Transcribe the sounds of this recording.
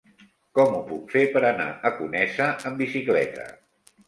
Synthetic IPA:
kɔmupukfepəɾəna̰əkunɛsəəmbisiklɛ̰t̪ə̰

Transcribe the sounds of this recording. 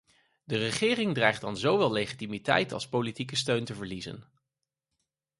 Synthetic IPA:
dərəχɪːrɪŋdrɛjχdɑnzowʋɛlˠlejχitimitɛ̰jtɑ̰lˠspowlitik̬əstøɥntəvəɹlizə̰n

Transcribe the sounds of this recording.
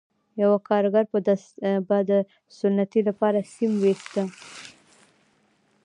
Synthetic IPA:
jawakɑɾɡaɾpəd̪abad̪ə | sʊnːat̪ilapɑɾasimwest̪ə

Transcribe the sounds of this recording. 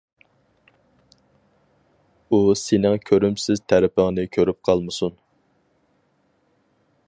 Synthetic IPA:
usenɪŋkʲʰøɾymsɪzt̪ʰæɾɪpʰɪŋnɪkʲʰøɾyp̚qʰɑlˠmɨsun

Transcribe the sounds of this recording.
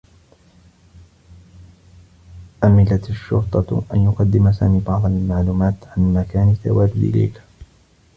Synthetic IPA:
ʔamɪlat̪aʃːʊ̰ɾt̪ˤɑʔa̰njʊqɑd̪ːɪmasa̰ːmiːbɑʕd̪ˤɑlmaʕluːmaːt̪ʕanmakaːnɪt̪ːa̰waːd͡ʒʊd̪ʔɪ̰la̰jk

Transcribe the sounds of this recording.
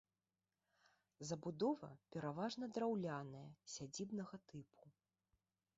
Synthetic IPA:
zɐbud̪ɔvɐ̰pʲɛɾavaʐnɐd̪ɾawlʲanɐjɐsʲad͡zʲibnɐɣɐt̪ɨpʰu̥

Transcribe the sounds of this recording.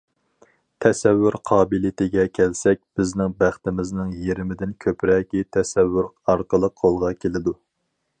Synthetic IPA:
t̪ʰɛsɛvːyɾqʰɑːbilit̪ʰɪɡʲɛkʲʰɛlsɛk̚ʲb̥ɪznɪŋbæχt̪ɪmɪznɪŋjeɾɪmɪd̪ɪnkʲʰøpɾɛːkʲit̪ʰɛsɛvːyɾɑɾqəlˠəqqʰːolˠʁɑkʲʰelɪd̪u

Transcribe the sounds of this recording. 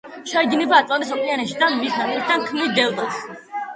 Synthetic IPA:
ʃaiɡnɛbaːt̪ʼlˠant̪ʼisɔpʼianɛʃid̪anmixanɛd̪ankʰmid̪ɛlt̪ʼɔs

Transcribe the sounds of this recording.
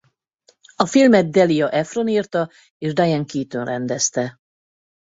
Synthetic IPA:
ɒfilmɛt̪̚d̪ɛlijɒʔɛfroniːrt̪ɒ | eːʒd̪ajɛŋkiːt̪ønrɛnd̪ɛst̪ɛ

